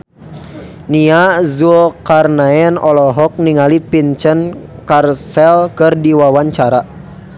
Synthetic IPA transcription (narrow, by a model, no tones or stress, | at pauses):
niazuɔkarnaɛnɔlɔɦɔk̚niŋalipint͡ʃənkarsɛlkɨrdiwawaɲt͡ʃaɾa